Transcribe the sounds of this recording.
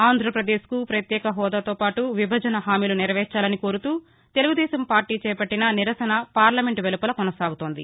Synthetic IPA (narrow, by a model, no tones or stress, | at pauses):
aːnd̪ʱɾɐpɾɐd̪eːskupɾɐt̪jɛːkɐɦɔːd̪aːt̪oːpaːʈuʋibʱɐd͡ʒɐnɐɦaːmiːluniɾʋɛːt͡ʃaːlɐniko̞ːɾut̪uː | t̪e̞luɡud̪ɛːsɐmpaːɾʈiːt͡ʃɛːpɐʈːinɐniɾɐsɐnɐpaːɾlɐmeɳʈʋelupɐlɐkɔnɐsaːɡut̪oːnd̪ḭ